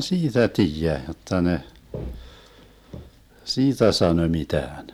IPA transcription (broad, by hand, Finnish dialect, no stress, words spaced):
siːtæ tiːjæ jotːɑ ne siːtæ sɑnø mitæːn